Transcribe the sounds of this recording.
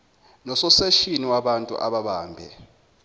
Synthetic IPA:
nɔsɔsɛʃiniwaɓantʼṵʔa̰ɓaɓaːmbʱɛ̰

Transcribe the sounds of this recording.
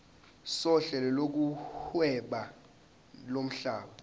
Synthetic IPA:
sɔɬɛlɛlok̬uhwɛɓa | lom̩ɬaːɓa

